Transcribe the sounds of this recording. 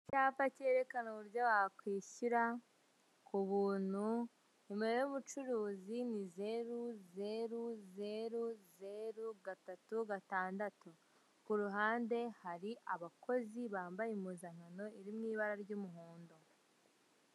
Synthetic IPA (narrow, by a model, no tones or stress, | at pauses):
caːpace̞ɾe̞kanoβuɾɟowakwiːçuɾa | kuβuːn̥hu | emeɾejuβut͡ʃuɾuːzinize̞ɾuze̞ɾuze̞ɾuze̞ɾuɡatatuɡataːndatu | kuɾuɦaːnde̞haɾiʔaβako̞ziβaːmbajimuzaŋ̥ano̞iɾimŋiːβaɾaɾɟumuɦuːndo